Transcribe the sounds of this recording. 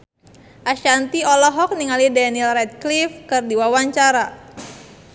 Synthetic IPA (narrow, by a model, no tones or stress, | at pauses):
ʔaʃant̪iɔlɔɦɔk̚niŋalidɛnilrɛt̪̚klifkɨrdiwawaɲt͡ʃaɾa